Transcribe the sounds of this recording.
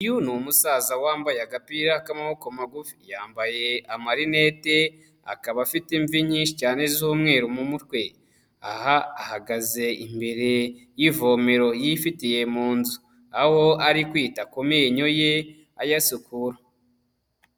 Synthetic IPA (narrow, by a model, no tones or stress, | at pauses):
junumusaːzawaːmbajaɡapiɾakamaβo̞komaɡufi̥jaːmbaje̞amaɾinete | a̰kaβafitiɱviɲiːnʃicaːne̞zuːmŋe̞ːɾumumutkwe̞ | a̰haahaɡaze̞imbe̞ɾe̞jivo̞me̞ɾo̞jifitije̞muːnzu | aho̞aɾikwiːtakomeɲo̞je | ajasukuɾa